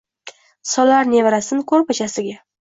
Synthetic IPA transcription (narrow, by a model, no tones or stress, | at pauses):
sɒlaɾne̞vɾasɪnɪkʰɵɾpat͡ʃʰasɪɡʲa